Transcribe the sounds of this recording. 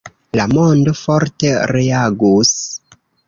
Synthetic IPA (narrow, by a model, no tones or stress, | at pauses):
lamo̞ndo̞fo̞ɾte̞ɾeaɡus